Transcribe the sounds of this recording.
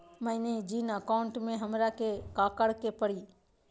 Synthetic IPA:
məɪned͡ʒiːnəkaʊ̃ɳʈmẽɦəmɾakekaːkəɽkepəɽiː

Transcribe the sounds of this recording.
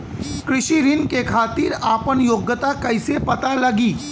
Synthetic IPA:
kɾɪʃiɾɪnkekʰaːt̪iːɾaːpənjoːɡjət̪akɐɪsepɐt̪alɐɡiː

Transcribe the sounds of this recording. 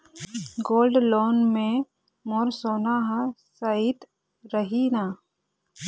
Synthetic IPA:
ɡoːlɖloːnmẽ | moːɾsoːnaːɦsait̪ | ɾəɦinaː

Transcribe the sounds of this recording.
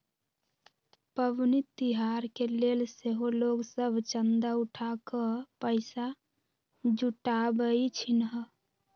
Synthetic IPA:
pəbnit̪ːiɦaɾkelelseɦoloɡsəbʱt͡ʃənd̪auʈʰakəpəɪsa | d͡ʒuʈabəit͡ʃʰinɦə

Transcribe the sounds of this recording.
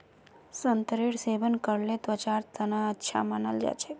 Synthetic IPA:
sənt̪ɾiɽseʋənkəɾlet̪ʋət͡ʃaɾt̪ʰənaətːʃʰa̰manəld͡ʒa̰t͡ʃʰe

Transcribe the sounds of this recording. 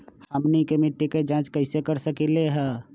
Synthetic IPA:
həmnikemɪʈːiked͡ʒãːt͡ʃkəɪsekəɾsəkileɦɛː

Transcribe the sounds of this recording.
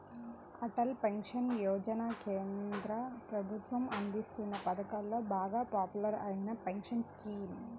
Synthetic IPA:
ɐʈɐlpeŋkʂɐnjoːd͡ʒɐnaːkeːnd̪ɾɐpɾɐbʱut̪ʋɐmɐnd̪ist̪unːɐpɐd̪ɐkaːlːo̞ːbaːɡaːpaːpjulɐɾɐjinɐpeŋkʂɐnskiːm

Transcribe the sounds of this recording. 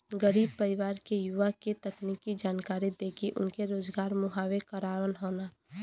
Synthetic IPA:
ɡəɾiːb̚pəɾɪʋaːɾkejʊʋaket̪əknikid͡ʒaːnkaːɾid̪eːkʰiʔʊ̰nkeɾoːd͡ʒɡaːɾmʊɦaːwekəɾaːʋənɦoːnaː

